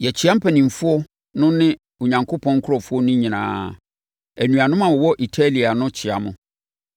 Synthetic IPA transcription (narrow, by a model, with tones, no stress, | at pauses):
jɛ˨t͡ɕʰi˨˦a˦m̩˦pʰæ˨nĩ˨m˨fʊ˦ɔ˦ | nʊ̃˦nɪ̃˦ | o˨ɲã˨ŋkʰo˦pʰɔ̃˦ŋ̩˦kʰʊ˦ɾɔ˨fʊ˦ɔ˦nʊ̃˦ɲĩ˨nã̰ː˨ | æ˨nũ˨a˨nʊ̃˦mã˨wɔ˨wɔ˦ʔi˨tʰa˦li˨a˨nʊ̃˦t͡ɕʰɪ˨a˨mʊ̰̃˨